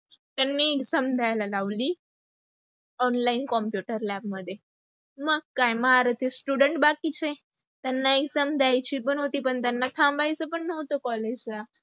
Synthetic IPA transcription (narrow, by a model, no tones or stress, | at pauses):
t̪anːieksəmd̪ʱajlalaʋli | ɔnlainkɔmpjuʈəɾlɛb̚məd̪ʱːje | məɡ̚kajməɦaɾət̪ʰisʈuɽəɳʈ̚bakit͡ɕʰe | t̪anːaeksəmd̪ʱajt͡ɕiːpəɳɦot̪iːpəɳt̪anːat̪ʰãmbajt͡səpəɳnəwt̪okɔled͡ʑla